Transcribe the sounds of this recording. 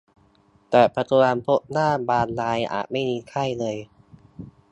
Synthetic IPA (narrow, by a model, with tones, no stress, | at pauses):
t̪ɛː˨˩pʰa˧t̪ʰu˧ɾaː˧npʰo˦˥ʔnaː˥˩baː˧nlaː˧jʔa̰ː˨˩t̪̚ma˥˩jmiː˧kʰa˥˩jlɤː˧j